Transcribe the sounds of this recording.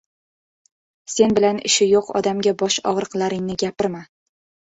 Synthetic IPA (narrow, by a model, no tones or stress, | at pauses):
se̞nbɪlanɪ̰ʃɪjoqɒ̰d̪amɡʲabɒʃɒʁɾɨqlˠaɾɪŋnɪɡʲapɪɾma